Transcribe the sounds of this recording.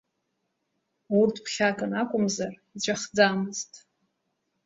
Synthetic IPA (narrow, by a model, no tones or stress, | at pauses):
urtʰpχʲakʼɨnakʷʼʊmzarit͡ɕʷʼaχd͡zaːmɨztʼ